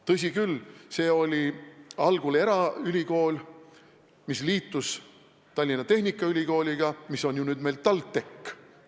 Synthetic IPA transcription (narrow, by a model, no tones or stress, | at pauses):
t̪ɤs̬ʲikylse̞ːo̞lʲiɑlɡ̥uleɾɑylʲiko̞ːlʲ | misliːt̪ːˑus | t̪ɑlʲːinɑt̪e̞hnʲikːˑɑylʲiko̞ːlʲiɡ̥ɑmisːo̞nʲjunyːd̪me̞jlt̪ɑlt̪ːe̞kː